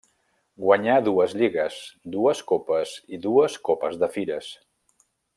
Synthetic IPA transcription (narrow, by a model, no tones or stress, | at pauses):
ɡwəɲaðuəzʎiɣəsd̪uəskopəziðuəskopəzðəfiɾəs